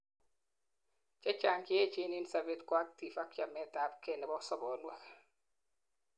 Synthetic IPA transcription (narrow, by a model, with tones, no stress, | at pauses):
t͡ʃa˦t͡ʃa˦˨ŋkje˦t͡ʃi˦ni˦nsa˨be˦tkwa˦k̚ti˨fa˦k̚t͡ʃa˨mɛ˦ta˦pke˨nɛ˨bɔ˦sɔ˦bɔ˨nwɛ˨k